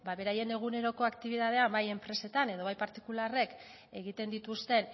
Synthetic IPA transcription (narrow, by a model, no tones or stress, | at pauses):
baβe̞ɾaje̞ne̞ɣ̞une̞ɾo̞ko̞akt̪iβ̞iðað̞e̞ambaje̞mpɾe̞se̞t̪ane̞ð̞o̞β̞ajpaɾt̪i̥kulare̞k | e̞ɣit̪e̞nd̪it̪ust̪e̞n